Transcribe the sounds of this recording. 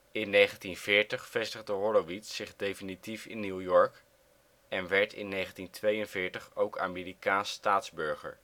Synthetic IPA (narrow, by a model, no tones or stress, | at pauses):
ɪnːejχəntinv̥ɪːɹtəχfɛstəχdəɦɔloʋitsɪχdejfinitifɪ̰nːuwjɔɹk | ɛnʋɛɹtɪ̰nːejχəntintʋejənvɪːɹtəχowka̰ːmɪːrikaːnstaːtzbɵɹχə̰ɹ